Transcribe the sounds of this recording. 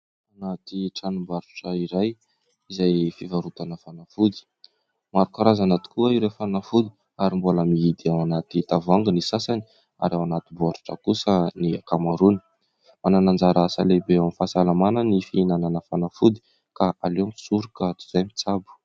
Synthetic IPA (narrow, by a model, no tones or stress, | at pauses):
anat̪iʈ͡ʂanumbaɾu̥ʈ͡ʂaiɾaj | izajfivaɾut̪anəfanafud̪i̥ | maɾukaɾazanat̪i̥kuaiɾefanafud̪i | aɾimbuləmiid̪awanat̪it̪avaŋɡənisasani̥ | a̰ɾawanat̪ibuaʈ͡ʂu̥ʈ͡ʂa̰kusəniakamaɾuni̥ | mananand͡zaɾasa̰lebeamifasalamanənifinananəfanafud̪i̥ | kaʔaleamsuɾukat͡su̥zajmit͡sabu̥